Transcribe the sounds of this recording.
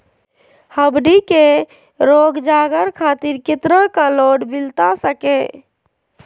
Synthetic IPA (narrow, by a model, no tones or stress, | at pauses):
həbɖike | ɾoɡd͡ʒaɡəɾkʰat̪iɾket̪ɾəkaloɖbilt̪asəke